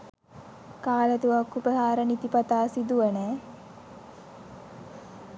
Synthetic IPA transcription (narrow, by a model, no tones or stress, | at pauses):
kaːlət̪uʋakːupəɦaːɾənit̪ipat̪aːsid̪uʋənɛː